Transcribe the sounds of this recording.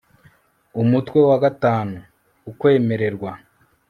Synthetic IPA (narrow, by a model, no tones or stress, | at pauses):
umutwe̞waɡataːnuː | kwe̞ːme̞ɾe̞ɾɡwa